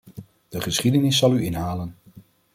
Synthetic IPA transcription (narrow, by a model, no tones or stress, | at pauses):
d̥əχəsχidənɪsːɑlˠyɪnɦaːlən